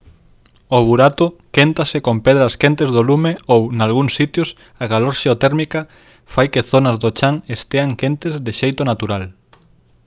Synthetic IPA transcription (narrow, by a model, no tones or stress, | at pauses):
oβuɾat̪okent̪asɪkompeðɾaːskent̪ezðolumeownalɣuŋsːit̪jʊs | aɣaloɾʃeot̪ɛɾmika | fajkɪθonɐzðot͡ʃaŋest̪eaŋkent̪ezðɪʃejt̪onat̪uɾal